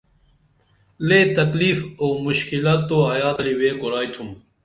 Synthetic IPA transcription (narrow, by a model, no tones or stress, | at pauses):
leːt̪ɐkliːfoːmuɕkilat̪ːoaːjaːt̪ɐliweːkuɾaːit̪ʰum